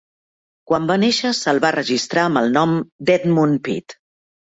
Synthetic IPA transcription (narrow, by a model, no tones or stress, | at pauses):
kwambaneʃəsəlˠβarəʒist̪ɾaəmbəlˠnɔmd̪ɛt̪munpḭt̪